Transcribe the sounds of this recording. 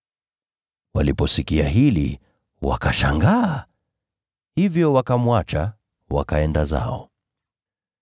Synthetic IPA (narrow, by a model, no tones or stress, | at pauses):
walipɔsikiaɦilḭ | wa̰kaʃaŋɡaː | hivjɔwakamwat͡ʃa | wa̰kaɛndaza̰ɔ